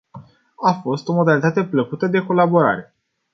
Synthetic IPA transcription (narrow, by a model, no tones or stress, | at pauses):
afo̞st̪o̞mod̪alit̪at̪e̞pləkut̪əd̪e̞ko̞labo̞ɾa̰ɾe̞